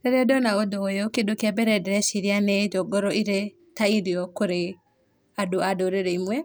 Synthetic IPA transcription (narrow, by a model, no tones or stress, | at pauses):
ɾeɾɔdɔnaod̪oːjokedokiabɛɾɛdɛɾɛʃiɾianed͡ʒɔɡɔɾɔiɾe | taiɾiɔkoɾe | adoadoɾeɾɛimwɛ